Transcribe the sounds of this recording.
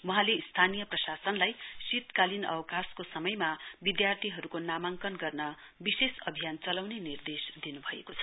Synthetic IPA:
wʌɦãleist̪ʰanijʌprʌsasʌnlajsit̪kalinʌ̰wʌkaskosʌmʌjmabid̪jart̪ʰiɦʌɾukonamaŋkʌnɡʌrnʌ | bisesʌbʱijant͡sʌlawnenird̪esd̪inubʱʌḛkot͡sʰʌ̥

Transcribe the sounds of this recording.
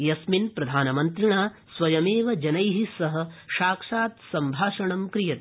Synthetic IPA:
jɐsminpɾɐd̪ʱaːnɐmɐnt̪ɾiɳaːsʋɐjɐmeːʋɐd͡ʒɐnɐjɦisɐɦɐ̆ʃaːkʂaːt̪sɐmbʱaːʂɐɳɐmkɾijɐt̪

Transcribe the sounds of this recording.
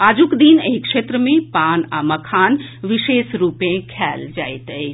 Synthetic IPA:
aːd͡ʒukd̪inəikʃeːt̪ɾəmẽpaːna̰mɐkʰaːnʋɪʃeːsɾuːpẽkʰɛːld͡ʒa̰ːet̪əe

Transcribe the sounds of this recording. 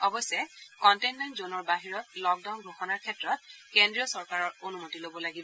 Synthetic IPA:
ɔbɔsɛkɔntejnmɛntzonɔɹbaɦiɹɔtlɔk̚daʊnɡʱoxɔnaɹkʰɛtɹɔt̚kendɹijɔsɔɹkaɹɔɹonumotilobɔlaɡibɔ

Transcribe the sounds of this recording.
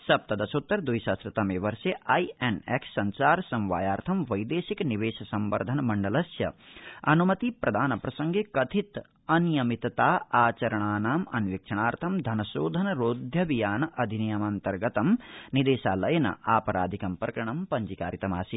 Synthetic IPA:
sɐp̚t̪ɐd̪ɐsot̪ːɐɾd̪ujʃaːst̪ɾɐt̪ɐmeːʋɐɾʃeʔajeneksːɐɲt͡ʃaːɾsɐ̃mʋa̰ːjaːɾt̪ʰɐmʋɐjd̪eːʃikniʋeːʃɐsɐmʋɐ̰ɾd̪ʱɐnɐmɐɳɖɐlɐsjɐ̰ɐnumɐt̪ipɾʔɐd̪ʱaːnɐpɾɐsɐŋɡekɐt̪ʰit̪ | ɐnjɐmit̪ɐt̪aːaːt͡ʃɐɾɐɳaːnaːmɐ̰nʋik̚t͡ʃʰɐɳaːɾt̪ʰɐmd̪ʱɐnɐʃoːd̪ʱɐnɐɾoːd̪ʱjɐʋijaːnɐʔɐd̪ʱinijɐmant̪ɐɾɡɐt̪ɐmnid̪eːʃaːlɐjɐnɐ̰aːpɐɾaːd̪ʱikɐmpɾɐkɾɐɳ̃ɐmpɐɲd͡ʒikaːɾit̪ɐmaːsi

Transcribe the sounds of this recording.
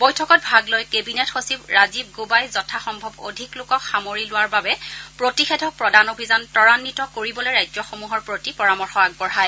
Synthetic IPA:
bɔjtʰɔkɔt̚bʱaɡlojkebinetxosibɹazib̚ɡubajzɔtʰaxɔmbʱɔbo̰dʱiklʊkɔxamoɹilʊwaɹbabɛpɹotixedʱɔk̚pɹɔdanobʱizantɔɹanːitɔkoɹibɔlojɹajd͡ʒzɔxomuɦɔɹpɹotipɔɹamɔɹxɔak̚bɔɹɦaj

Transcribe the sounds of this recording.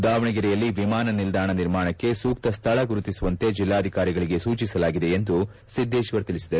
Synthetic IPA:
d̪aːʋɐɳɐɡiɾɛjɐlːiʋimaːnɐnild̪ʱaːɳɐniɾmaːɳɐkːe̞suːk̚t̪ɐst̪ʰɐɭɐɡuɾut̪isuʋɐnt̪e̞d͡ʒilːaːɐd̪ʱikaːɾiɡɐɭiɡe̞suːt͡ʃisɐlaːɡid̪e̞ːnd̪u | sid̪ʱːeːʃʋɐɾt̪iɭisid̪ɐɾ

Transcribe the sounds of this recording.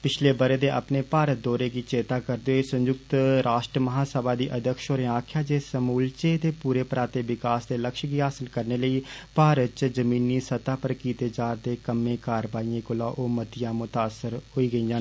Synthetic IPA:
pɪt͡ʃʰleːbəɾeːd̪eːʔə̰pneːpaːɾət̪̚d̪ɔːɾeːɡiːt͡ʃeːt̪aːkəɾd̪oːeːsə̃ɲd͡ʒʊkt̪ɾaːʃʈɾəməɦaːsəbaːd̪iːʔəd̪əkʃoːɾeaːkʰjaːd͡ʒeːsəmuːlt͡ʃeːt̪eːpuːɾeːpɾaːt̪eːʋɪkaːsd̪eːləkʃɡiːɦaːsɪlkəɾneːləiːpaːɾətt͡ʃd͡ʒəmiːnːiːsət̪aːpəɾkiːt̪eːd͡ʒaːɾd̪eːkəmːẽːkaːɾʋaːiẽːkʊlãːʔoːmət̪ɪjãːmʊt̪aːsəɾɦoːiːɡəiːãː

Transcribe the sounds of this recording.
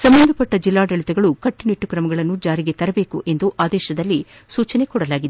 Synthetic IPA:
sɐmbɐnd̪ʱɐpɐʈːɐd͡ʒilːaːɖɐɭit̪ɛɡɐɭukɐʈːiniʈːukɾɐmɐɡɐɭɐnːud͡ʒaːɾiɡe̞t̪ɐɾɐbeːkuʔe̞nd̪uʔaːd̪ɛːʃɐd̪ɐlːisuːt͡ʃɐnekɔɽɐlaːɡid̪e

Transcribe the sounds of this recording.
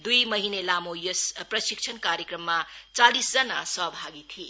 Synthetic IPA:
d̪ujmʌɦinelamojespɾʌsik̚sʰʌnkaɾjekɾʌmːat͡salisd͡zʌnasʌɦbʱaɡit̪ʰie

